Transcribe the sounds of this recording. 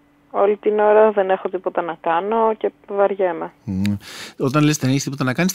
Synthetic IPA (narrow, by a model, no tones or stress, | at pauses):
o̞lit̪ino̞ɾɐðe̞ne̞xo̞t̪ipo̞t̪ɐnɐkɐno̞ce̞vɐɾʝemɐ | ot̪ɐnlest̪eneçst̪ipot̪ɐnɐkɐnis